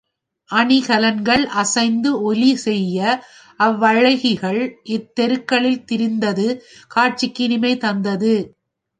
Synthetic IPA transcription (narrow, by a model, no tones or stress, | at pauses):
ʔɐɳɪɣɐlɐnɡɐɭʔɐsɐɪnd̪ɯɔlisɛjːɐ | ʔɐʋːɐɻɐɪɣɪɣɐɭʔɪt̪ːɛɾɯkːɐɭɪlt̪ɪɾɪnd̪ɐðɯkaːʈ̚t͡ʃɪkːɪnɪmɐɪt̪ɐnd̪ɐðɯ